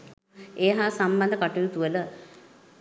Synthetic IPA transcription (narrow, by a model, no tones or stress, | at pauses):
eːɦaːsamband̪əkaʈujut̪uələ